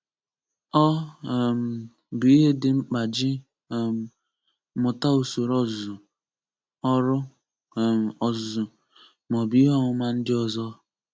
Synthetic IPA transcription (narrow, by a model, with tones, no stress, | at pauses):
ɔ˦˨m̩˨ | bʊ˨i˦ɦe˦dɪ˨ŋ͡m̩˦k͡pa˨d͡ʒɪ˦˨ | m̩˨ | mʊ˨ta˦o˨so˨ɾɔ˦zʊ˨ | ɔ˦ɾʊ˦˨ | ɔ˨zʊ˨ | mɔ˨bi˨˦ɦɔ˦ŋʊ˦ma˦n̩˦dɪ˦ɔ˨zɔ˦